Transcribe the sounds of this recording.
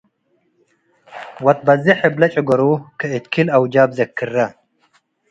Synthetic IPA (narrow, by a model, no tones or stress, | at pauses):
wɐt̪̚bɐziħeblɐt͡ʃʼɐɡɔɾuːkʰɨet̪kʰilɐwd͡ʒaːbzɐkʰːɨrːɐ